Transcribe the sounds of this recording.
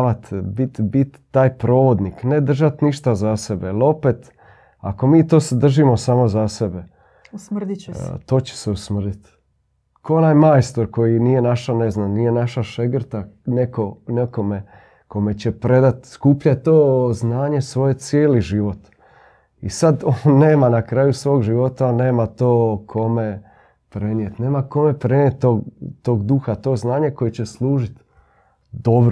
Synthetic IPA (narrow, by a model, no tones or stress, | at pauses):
ʋat̪bit̪bit̪ːaːjpɾo̞ːʋo̞d̪nikned̪r̩ʒat̪niʃt̪azase̞belo̞pet̪ | a̰ko̞miːt̪o̞ːsed̪r̩ʒimo̞saːmo̞zasebe | sd̪̰t̪o̞ːt͡ɕe̥seusmr̩d̪it̪ | kʰonajmajst̪oɾko̞jinije̞naʃaneznamnije̞naʃaʃeɡr̩t̪aneko̞nekome | ko̞me̞t͡ɕe̞pɾe̞d̪at̪skuːpʎat̪o̞ːznaːɲe̞sʋo̞je̞t̪sjeːliʒiʋo̞t̪ | isad̪one̞ːmanakɾaːjusʋo̞ːɡʒiʋo̞t̪ane̞ːmat̪oːkʰo̞me̞ | pɾenije̞t̪ne̞ːmako̞me̞pɾe̞njet̪ːoːɡt̪o̞ːɡd̪uxat̪o̞ːznaːɲe̞ko̞jet͡ɕe̞slˠuːʒit̪ | d̪obɾ